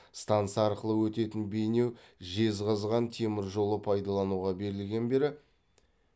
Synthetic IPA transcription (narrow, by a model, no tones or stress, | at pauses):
st̪ant̪sɑɾqəlˠəwɵt̪e̞t̪ɪnbe̞jne̞wʒe̞zʁɑzʁɑnt̪ʰe̞mɪɾʒo̞lˠəpʰɑjd̪ɑlˠɑnuʁɑbe̞ɾɪlɡʲe̞nbe̞ɾɪ